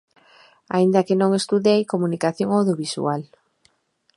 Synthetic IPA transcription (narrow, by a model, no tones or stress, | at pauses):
a̰ĩnd̪akɪnõŋest̪uðejkomunikaθjoŋawðjoβisṵal